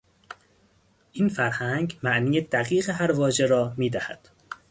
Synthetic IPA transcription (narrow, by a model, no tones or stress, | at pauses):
ʔinfæɾhæŋɡmæʔniːjed̪æɣiːɣeɦæɾvɒːʒe̞ɾɒːmiːd̪æhæ̰d̪̥